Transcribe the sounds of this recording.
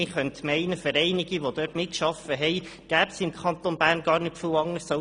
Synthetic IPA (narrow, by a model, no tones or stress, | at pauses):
ɪχœnt̪mɛɪnəfəɾɛɪnɪɡiʋod̪øtmɪtkʃɑfəɦɛɪɡ̥æːpsɪmkʰɑnt̪onbæːɾnɡɑːɾnɪtfəwɑŋəɾsɑ